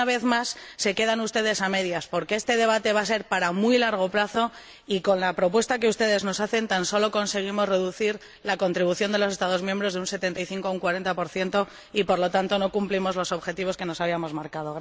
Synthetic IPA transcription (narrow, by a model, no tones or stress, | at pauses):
aβe̞θmasːe̞ke̞ð̞anust̪e̞ð̞e̞same̞ðjaspo̞ɾkeest̪e̞ðe̞βat̪e̞βase̞ɾpaɾamujlaɾɣ̞o̞plaθo̞ | iko̞nlapɾo̞pwe̞st̪ake̞ust̪e̞ð̞e̞zno̞saθe̞nt̪anso̞lo̞ko̞nse̞ɣ̞imo̞zre̞ðuθiɾ | lako̞nt̪ɾiβuθjo̞nd̪e̞los̬est̪aðo̞zmjẽmbɾo̞zðeunse̞t̪e̞nt̪ajθiŋkoauŋkwaɾe̞nt̪apo̞ɾθje̞nt̪o̞ | ipo̞ɾlo̞t̪ant̪o̞no̞kumplimo̞zlo̞so̞βxe̞t̪iβ̞o̞ske̞no̞saβ̞iamo̞zmaɾkaðoɣ